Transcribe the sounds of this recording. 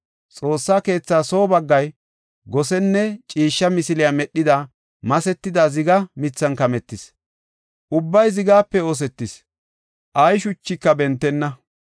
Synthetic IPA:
t͡sʼo̞ːsːaːke̞ːt͡sːaːso̞ːbɐɡːɐj | ɡɔsɛnːɛt͡ʃʼiːʃːɐmɪsɪlɪjamɛɗːɪd̪ɐ | mɐsɛt̪ːɪd̪azɪɡɐmɪt͡sːɐnkɐmɛt̪ːɪs | ʔʊbːɐjzɪɡaːpːɛo̞ːs̬ɛt̪ːɪs | ʔɐjʃʊt͡ʃːɪkːɐbɛnt̪ːɛnːɐ

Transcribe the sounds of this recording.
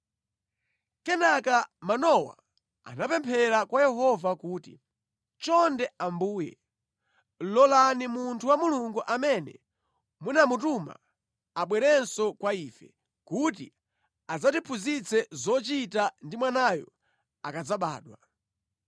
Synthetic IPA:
kɛnakamanɔwa̰ | a̰napɛmpʰɛɾakwajɛɦɔvakuːtḭ | t͡ʃɔndɛambuːjɛ̰ | lɔlanimuntʰuwamuluŋɡuʔamɛnɛ̰ | munamutuma̰ | aɓwɛɾɛnsɔkwaiːfɛ̰ | kutḭ | azatipʰuzit͡sʰɛzɔt͡ʃitandimwanajɔ̰ | akad͡zaɓa̰ːɗwa

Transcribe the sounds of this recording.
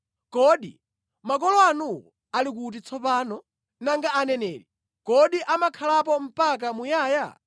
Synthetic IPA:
kɔɗḭ | mak̬ɔlɔanuwɔ̰ | alik̬ut̬it͡sʰɔpaːnɔ | naŋɡaanɛnɛ̰ːɾi | kɔɗiʔamakʰalap̬ɔm̩pak̬amujaːja̰

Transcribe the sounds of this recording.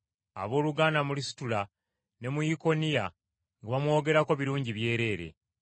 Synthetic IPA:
a̰βo̞ːluɡaːnamulisi̥tula | ne̞mujiko̞nija | ŋɡaβamwo̞ːɡe̞ɾako̞βiɾuːɲɟiβje̞ːɾe̞ːɾe̞̰

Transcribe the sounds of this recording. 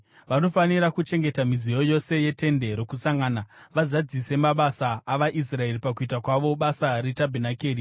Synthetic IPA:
ʋano̞faniɾakut͡ʃe̞ŋɡe̞tamizijo̞jo̞se̞je̞te̞nde̞ɾo̞kusaŋɡaːnaʋazad͡zise̞maɓasaːʋaʔis̬rae̞ripakuitakwaʋo̞ɓasaretabʱinakeːri

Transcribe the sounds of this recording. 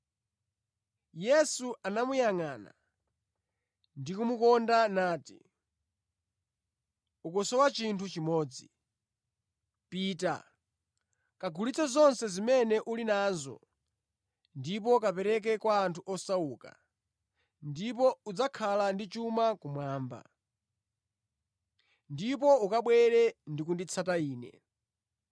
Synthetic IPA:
jɛsuanamujaŋaːna̰ | ndikumukɔndanaːti | ukɔsɔwat͡ʃintʰut͡ʃimɔːd͡zi | piːta̰ | kaɡʱulit͡sɔzɔnsɛzimɛnɛʔulinaːzɔ̰ | ndip̬ɔkapɛɾɛk̬ɛkwaːntʰuʔɔsauka̰ | ndip̬ɔud͡zakʰalandit͡ʃumakumwaːmba̰ | ndip̬ɔukaɓwɛɾɛndikundit͡sʰataiːnɛ̰

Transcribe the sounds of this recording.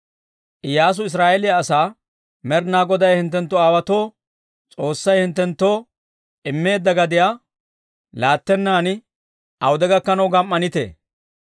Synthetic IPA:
ʔɪjaːs̬ʊɪs̬ɾaːʔɛlɪjaːsaː | mɛɾnaːɡɔd̪ɐjhɪnt̪ːɛnt̪ːɔaːwɐt̪o̞ː | t͡sʼo̞ːsːɐjhɪnt̪ːɛnt̪ːo̞ː | ʔɪmːe̞ːd̪ːɐɡɐd̪ɪjaː | laːt̪ːɛnːaːn | ʔɐwʊd̪ɛɡɐkːɐnɐwɡɐmːɐnɪt̪ḛː

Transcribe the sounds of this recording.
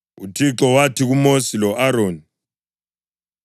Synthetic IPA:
utʰiǁɔwatʰiɣumosilɔʔaɾoːni

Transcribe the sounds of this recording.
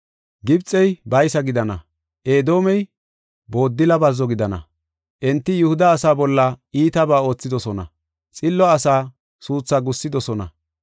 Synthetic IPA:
ɡɪbt͡sʼːɛjbɐjsɐɡɪd̪ɐnɐ | ʔeːd̪o̞ːmɛj | bo̞ːd̪ːɪlɐbɐzːɔɡɪd̪ɐnɐ̰ | ʔɛnt̪ːɪjʊhʊd̪ɐːsaːbɔlːɐiːt̪ɐbaːo̞ːt͡sːɪd̪ɔsɔnɐ̰ | t͡sʼɪlːɔɐsaː | suːt͡sːaɡʊsːɪd̪ɔsɔnɐ̰

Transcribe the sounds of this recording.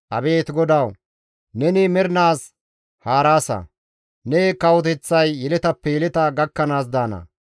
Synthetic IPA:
ʔɐbeːt̪ɡɔd̪ɐw | nɛnɪmɛɾnaːs | haːɾaːsɐ̰ | nɛkɐwɔt̪ɛt͡sːɐjːɛlɛt̪ɐpːɛjɛlɛt̪ɐɡɐkːɐnaːs̬d̪aːnɐ̰

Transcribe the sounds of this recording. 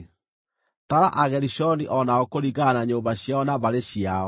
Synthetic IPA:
taɾaʔaɣɛɾiɕɔniʔɔnaɔkoɾiɣanaɲoːbaɕjaɔnaβaɾeɕiaɔ

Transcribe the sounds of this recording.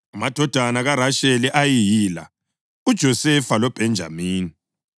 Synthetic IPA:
amad̥ʱɔd̥ʱanaɣaɾaʃɛliʔajijila̰ | ud̥ʒ̥ʱɔsɛfalɔb̥ʱɛnd͡ʒʱa̰miːni

